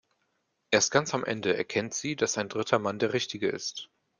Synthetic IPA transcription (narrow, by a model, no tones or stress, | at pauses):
ʔeːɐst̚ɡ̥ant͡samʔɛ̰ndəɛ̰ɐkʰɛntz̥iːd̥asaɪndʁɪtʰɐmandeːɐʁɪçtɪɡəɪ̰st